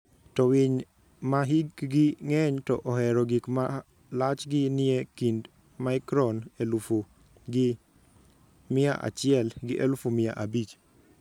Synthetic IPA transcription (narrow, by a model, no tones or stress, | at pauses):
tɔwɪɲ | maɦiɡɡɪŋɛɲtɔ̰ʔɔɦɛɾɔɡikma | lat͡ʃɡɪnɪekind | maɪkɾɔnelufo | ɡɪ | mɪaʔa̰t͡ʃɪɛlɡɪʔelufomɪa̰ʔabit͡ʃ